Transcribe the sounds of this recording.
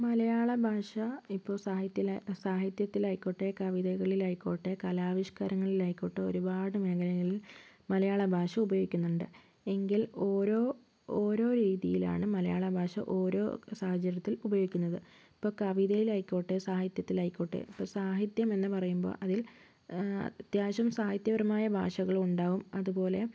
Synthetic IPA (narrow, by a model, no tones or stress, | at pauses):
mɐlɐjaːɭɐbʱaːʂɐipːo̞ːsaːhit̪jɐsaːɦit̪jɐt̪ːilajkʲːoːʈːekɐʋiðɐɣɐɭilaːjkʲːo̞ːʈːekɐlaːʋiʂkaːɾɐŋːɐɭilaːjkʲːo̞ːʈːeo̞̰ɾubaːɽɨme̞ːɡɐlɐŋːɐɭil | mɐlɐjaːɭɐbʱaːʂɐubɐjoːɡikʲːunːuɳɖɨ | e̞ŋɡiloːɾo̞ː | oːɾo̞ːɾiːðijila̰ːɳɨmɐlɐjaːɭɐbʱaːʂɐ̰ʔo̞ːɾo̞̰ːsaːhɐt͡ɕːɐɾjɐt̪ːilubɐjoːɣikʲːunːɐðɨ | ipːo̞ːkɐʋiðɐjilɐjkʲːoːʈːesaːhit̪jɐt̪ːilaːjkʲːoːʈːḛipːoːsaːɦit̪jɐme̞nːɨpɐrɐjumbo̰ːʔɐðil̰ | t̪jaːɕɐmsaːhit̪jɐʋɐɾɐmaːjɐbʱa̰ːʂɐɣɐɭuɳɖaːʋumɐðubo̞ːle̞